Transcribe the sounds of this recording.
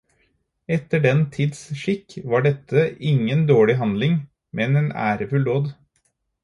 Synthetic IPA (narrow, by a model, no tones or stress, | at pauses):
ɛt̪ːəɖɛnt̪ʰiːd̪sʂɪkʋɑːɖɛt̪ʰːəɪŋːənd̪oːɭɪɦɑnd̪lɪŋ | mʔɛneːnæ̰ːɾəfʉld̪oːd̪